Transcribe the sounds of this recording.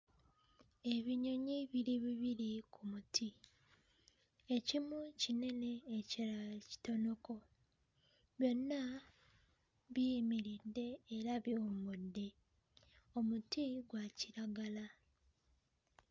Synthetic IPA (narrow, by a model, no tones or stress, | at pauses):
e̞βiɲo̞ɲiβiɾiβiβiɾikʰumutʰi | e̞cimucine̞ne̞ːcaci̥to̞no̞ko̞ | βjo̞nːa | βimiɾidːe̞ːɾaβiumudːe̞ | o̞mutiɡwaciɾaɡala